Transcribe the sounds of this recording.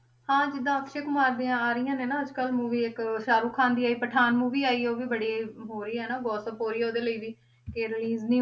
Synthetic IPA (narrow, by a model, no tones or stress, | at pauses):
hãːd͡ʒɪd̪ːãːəkʃeːkmaːɾd̪eːãːaːɾɪjãːneːnãːəd͡ʒkəlmuːʋiːɪkʃaːɾuːkʰãːnd̪iːaːiːpəʈʰaːnmuːʋiːaːiːoːʋiːbəɽiːɦoːɾiːɛːnaːɡɔːsəpɦoːɾiːoːd̪eːləiːʋiː | keɾɪliːznĩː